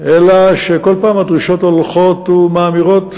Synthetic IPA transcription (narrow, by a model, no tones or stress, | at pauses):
elaʃeko̞lpaːmad̪ʁiʃo̞t̪olχo̞t̪umaːmiʁo̞t̪